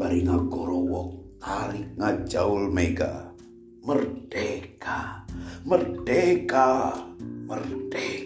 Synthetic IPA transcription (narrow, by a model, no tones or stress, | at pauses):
aɾiŋaɡɔɾɔwɔk̚ | aɾik̚ŋad͡ʒaulmeɡa̰ | mərd̥ekamərdeka | mərd̥ɛ